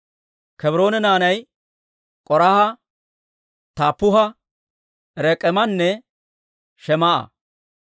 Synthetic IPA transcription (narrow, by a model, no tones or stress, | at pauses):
kɛbɾo̞ːnɛnaːnɐj | kʼɔɾahɐ | t̪aːpːʊɦɐ | ɾɛkʼɛmɐnːɛ | ʃɛmɐʔɐ̰